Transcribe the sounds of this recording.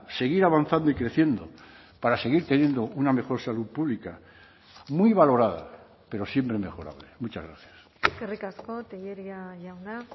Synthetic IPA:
se̞ɣ̞iɾaβanθand̪oikɾe̞θje̞nd̪o̞̰ | paɾase̞ɣiɾt̪enje̞nd̪o̞uname̞xo̞ɾsaluðpuβlika | mwiβalo̞ɾaða̰ | pe̞ɾo̞sje̞mpɾeme̞xo̞ɾa̰βlemut͡ʃazɣɾaθjas | kerikaskot̪ejeɾiajauna

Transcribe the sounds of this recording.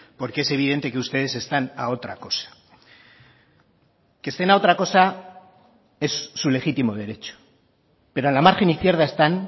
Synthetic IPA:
po̞ɾke̞ese̞β̞ið̞e̞nt̪e̞keust̪e̞ð̞e̞se̞st̪anao̞t̪ɾa̰ko̞sḁ | kest̪e̞nao̞t̪ɾako̞sa | e̞sːule̞xit̪imoð̞e̞ɾe̞t͡ʃo̥ | pe̞ɾoanlamaɾxe̞niθkje̞ɾð̞aest̪an

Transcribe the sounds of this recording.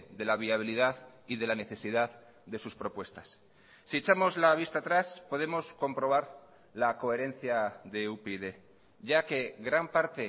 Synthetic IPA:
ðe̞laβ̞iaβ̞iliðað | iðe̞lane̞θe̞siðað | ðe̞suspɾo̞pwe̞st̪ḁsː | iet͡ʃamo̞zlaβ̞ist̪at̪ɾaspo̞ðe̞mo̞sko̞mpɾo̞β̞aɾ | lako̞e̞ɾe̞n̟θjaðe̞upeðe̞ | ʝake̞ɣɾampaɾt̪e̞

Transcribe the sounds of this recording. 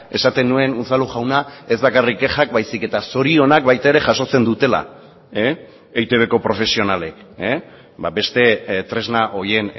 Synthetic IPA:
e̞sat̪enːue̞nuθaluʝawnae̞zβakarikːe̞xak̚bajsike̞t̪aso̞ɾio̞nakbajt̪ae̞ɾe̞ʝaso̞t͡se̞nd̪ut̪e̞la̰ | e | ejt̪e̞β̞e̞ko̞pɾo̞fe̞sio̞nale̞k | babe̞st̪e̞t̪ɾe̞znaʔo̞je̞n

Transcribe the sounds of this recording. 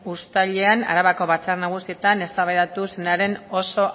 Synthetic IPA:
ust̪aʎe̞ana̰ɾaβako̞βat͡sarnaɣ̞usie̞t̪ane̞st̪aβajðat̪usenaɾe̞no̞so̞

